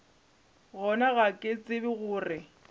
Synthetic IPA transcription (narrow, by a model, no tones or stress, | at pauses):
ɣɔnaɣakʼɪt͡sʼɪbɪɣʊːrɪ